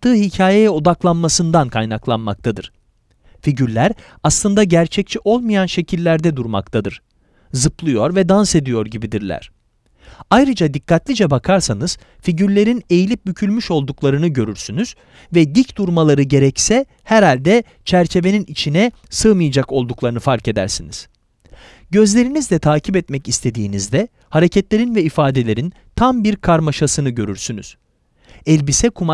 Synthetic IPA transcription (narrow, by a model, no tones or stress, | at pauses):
ɯːɦicʰaːjejɛod̪aklˠanmasɯnd̪ankʰajnaklˠa̰nma̰k̚t̪ʰad̪ɯɾ̥ | fiɟyɾlʲæɾ | aslˠɯnd̪aɟæɾt͡ʃʰɛc̚t͡ʃʰiʔo̞lˠmɯjanʃe̞cʰilʲːæɾd̪ɛd̪uɾma̰kt̪ʰad̪ɯɾ̥ | zɯplˠɯjo̞ɾvɛd̪anse̞d̪ijo̞ɾɟibid̪iɾlʲæ̰ɾ̝̥ | ajɾɯd͡ʒad̪ikːat̪lʲid͡ʒɛbakʰaɾsanɯz̥ | fiɟyɾlʲe̞ɾine̞jilʲip̚bycʰylʲmyʃo̞lˠd̪uklˠaɾɯnɯɟø̞ɾyɾsynyz̥ | vɛd̪icd̪uɾmalˠaɾɯɟe̞ɾɛcsɛ | hæɾalʲd̪ɛ | t͡ʃʰæɾt͡ʃʰe̞ve̞ninit͡ʃʰinɛ | sɯːmɯjad͡ʒako̞lˠd̪uklˠaɾɯnɯfaɾce̞d̪æ̰ɾsiniz̥ | ɟø̞zlʲe̞ɾinizd̪ɛt̪ʰaːcʰipɛt̪mɛcist̪ʰe̞d̪ḭːnizd̪ɛ | haɾe̞cʰɛt̪lʲe̞ɾinvɛifaːd̪e̞lʲe̞ɾin | t̪ʰambiɾkʰaɾmaʃasɯnɯɟø̞ɾyɾsyny̰z̥ | ɛlʲbisɛkʰuma